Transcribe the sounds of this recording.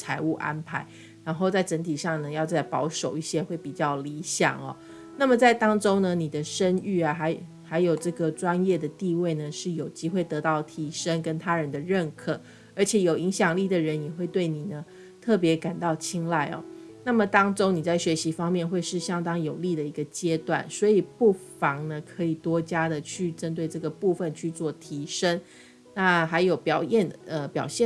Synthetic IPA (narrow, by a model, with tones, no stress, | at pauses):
t͡sʰa˧˥ɪu˥˩ʔa̰˦npʰa˧˥ɪ | ɻa˧˥nxo˥˧ʊt͡sa˥˩ɪʈ͡ʂə˧˥nt̪ʰi˨˩ʂɑ˥˩ŋnə˩jɑ˥˧ʊt͡sa˥˩ɪpɑ˧˥ʊʂo˨˩ʊi˥˩ɕjɛ˥xwe˥˩ɪpi˨˩t͡ɕjɑ˥˩ʊli˧˥ɕjɑ̰˨˩ŋɐ̰˨˦ | na˥˩mə˨t͡sa˥˩ɪt̪ɑ˥ŋʈ͡ʂo˥ʊnə˨ni˨˩d̪ə˦ʂə˥ny˥˩ɐ˩xa˧˥ɪ | xa˧˥ɪjo˨˩ʊʈ͡ʂɤ˥˩ɡə˩ʈ͡ʂwa˦njɛ˥˩d̪ə˩t̪i˥˧we˥˩ɪnə˩ʂɻ̩˥˩jo˨˩ʊt͡ɕi˥xwe˥˩ɪt̪ɤ˧˥t̪ɑ˥˩ʊt̪ʰi˧˨˩ʂə˥ŋkə˦nt̪ʰa˥ɻə˧˦nd̪ə˧ɻə˥˧nkʰɤ˨˩ | ə˞˧˥t͡ɕʰjɛ˨˩jo˨˩ʊi˧˥ŋɕjɑ˨˩ŋli˥˩d̪ə˩ɻə˧˦njɛ˨˩xwe˥˧ɪt̪we˥˩ɪni˨˩nə˦ | t̪ʰɤ˥˩p̬jɛ˧˥ka˨˩nt̪ɑ˥˩ʊt͡ɕʰi˥ŋla˥˩ɪɔ̰˨˩ | na˥˩mə˨˩t̪ɑ˥ŋʈ͡ʂo˥ʊni˨˩t͡sa˥˩ɪɕɥɛ˧˥ɕi˧˥fɑ˥ŋmjɛ˥˧nxwe˥˧ɪʂɻ̩˥˩ɕjɑ˥ŋt̪ɑ˥ŋjo˨˩ʊli˥˩d̪ə˩i˧˥ɡə˧t͡ɕjɛ˥t̪wa̰˥˩nswɔ˧˥i˨˩pu˥˩fɑ˧˥ŋnə˧kʰɤ˧˥i˨˩t̪wɔ˥t͡ɕja˥d̪ə˨t͡ɕʰy˥˩ʈ͡ʂə˥nt̪̬we˥˧ɪʈ͡ʂɤ˥˩ɡə˩pu˥˧fə˨nt͡ɕʰy˥˧t͡swɔ˥˩t̪ʰi˧˥ʂə˥n | na˥˩xa˧˥ɪjo˨˩ʊpjɑ˨˩ʊjɛ˥˩nə˧pjɑ˨˩ʊɕjɛ˥˨